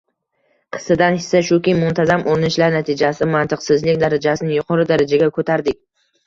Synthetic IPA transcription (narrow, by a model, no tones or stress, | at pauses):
qʰɨ̥sɪd̪anhɪsːaʃʊkʲɪjmːʊnt̪ʰazamoɾɪnɪʃlaɾnat̪ʰɪd͡ʒasɪmant̪ʰɨqsɪzlɪk̚ʲd̪aɾad͡ʒasɪnɪjʊqʰɒɾɪd̪aɾad͡ʒaɡʲakʰot̪ʰaɾd̪ɪk̚ʲ